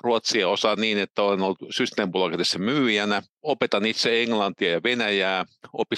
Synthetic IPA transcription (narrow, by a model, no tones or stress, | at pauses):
ruot̪sieosɑniːnet̪ːæolenolt̪syst̪æmpolɑkɑt̪esːɑmyːjænæ | opet̪ɑnit̪seeŋlɑnt̪iɑjɑʋenæjæːo̰pi